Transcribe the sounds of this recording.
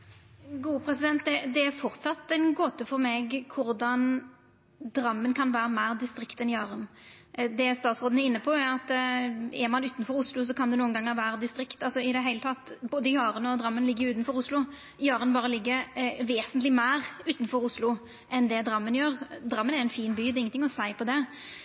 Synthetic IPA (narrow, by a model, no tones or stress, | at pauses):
ɡuːəpʰɾɛsɪd̪ɛnt̪̚d̪ɛd̪ɛæfɔɾt̪sɑt̪ːɛnɡoːt̪əfɔɾmɛɡkʰʊɾd̪ɑn | d̪ɾɑmːənkʰɑnʋæːɾəmæːd̪ɪst̪ɾɪkt̪ɛnjɑːɾənd̪ɛst̪ɑːt̪sʁoːd̪n̩ɛɾɪnːəpʰɔæɑt̪ | ɛɾmɑnʉːt̪nfɔɾʊslʊs̬ɔkʰɑnd̪ɛnuːənɡɑŋːəɾʋæːɾəd̪ɪst̪ɾɪkt̪ɑlsɔɪd̪ɛɦæɪlət̪ʰɑt̪ːboːd̪əjɑːɾənɔd̪ɾɑmːənlɪɡːəɾʉːt̪nfɔɾʊslʊ | jɑːɾənbɑːɾəlɪɡːəɾʋeːsənt̪lɪmæɪɾʉːt̪n̩fɔɾʊslʊ | ʔɛnd̪ɛd̪ɾɑmːənjøːʁd̪ɾɑmːənɛɾɛɪnfiːnbyːd̪ɛɪŋənɪŋːɔsæɪpʰɔd̪ɛ